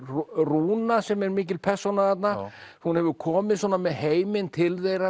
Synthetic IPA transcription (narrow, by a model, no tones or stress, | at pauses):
ruːnasɛmɛɾmɪːcɪlpʰɛr̥sonaθat̪nahunhɛvʏɾkʰɔːmɪðswɔːnamɛðheːjmɪnt̪ʰɪlθejɾa